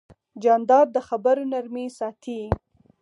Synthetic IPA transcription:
d͡ʒɑnd̪ɑd̪̚d̪əxabəɾonaɾmisɑt̪ʰi

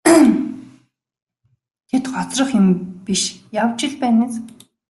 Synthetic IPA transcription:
t̪ʰet̪χɔt͡srə̆χjʊmpiʃjawt͡ɕɪ̆ɮpæːneːs

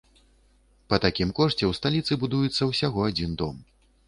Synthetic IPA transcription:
pɐt̪akʲimkɔʂt͡sʲɛwst̪alʲit̪sɨbud̪ujɛt̪sːɐwsʲaɣɔad͡zʲind̪ɔm

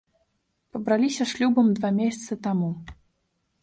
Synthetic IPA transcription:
pɐbɾalʲisʲɐʂlʲubɐmd̪vamʲesʲɐt̪sɨt̪amu

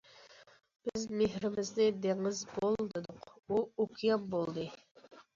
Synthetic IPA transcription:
b̥ɪzmeɦɾɪmɪznɪd̪eŋɪzbolˠd̪ɨd̪ʊquokʰijɑmbolˠd̪ɨ

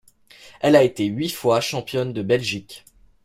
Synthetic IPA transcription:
ɛlaet̪eɥifwaʃɑ̃pjɔnd̪əbɛlʒikʲ

